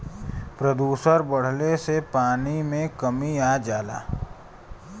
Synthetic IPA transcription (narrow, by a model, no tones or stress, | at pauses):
pɾəd̪uːsəɾbəɽ̤lesepaːnimẽkəmiaːd͡ʒaːla̰ː